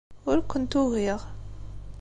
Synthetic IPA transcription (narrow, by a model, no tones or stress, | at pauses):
ʊɾkʊnt̪uɣiʁ